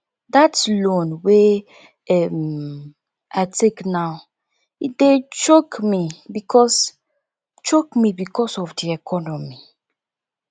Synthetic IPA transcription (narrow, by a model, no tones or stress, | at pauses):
datlõnwe | ɛm | aɪteknaw | idet͡ʃokmibikʰɔs | t͡ʃokmibikɔsɔfdiɛkʰɔnɔmi